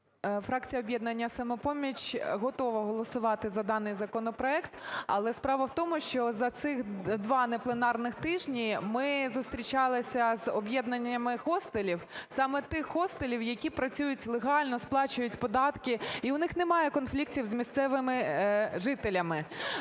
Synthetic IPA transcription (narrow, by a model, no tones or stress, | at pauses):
fɾɑk̚t͡sʲijɐɔbʲjɛd̪̚nɐnʲːɐsɐmɛpɔmʲit͡ʃɦɔt̪ɔʋɐɦɔlˠɔsʊʋɑt̪ɪzɐd̪ɑnɪjzɐkɔnɔpɾɔɛkt̪ɐ̰lˠɛspɾɑʋɐwt̪ɔmʊʃt͡ʃɔzɐt̪sɪxd̪ʋɑnɛplˠenɑrnɪxt̪ɪʒnʲimɪzʊst̪ɾʲit͡ʃɑlˠɪsʲɐzɔbʲjɛd̪̚nɐnʲɐmɪxɔst̪elʲiwsɑmɛt̪ɪxːɔst̪elʲiwjɐkʲipɾɐt͡sʲujʊtʲlˠeɦɑlʲnɔsplˠɑt͡ʃʊjʊtʲpɔd̪ɑt̪kɪiʊnɪxnemɑjɛkɔnflʲik̚tʲiwzmʲist̪sɛʋɪmɪʒɪt̪elʲɐmɪ